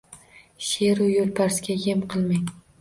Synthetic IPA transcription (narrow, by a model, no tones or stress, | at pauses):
ʃeɾujolˠpʰaɾsɡʲajemqʰɨlˠmaŋ